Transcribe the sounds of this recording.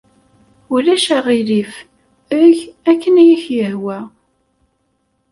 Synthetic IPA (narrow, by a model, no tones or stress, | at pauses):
ulæʃæʁilif | əʝækːənæjiçjəhwæ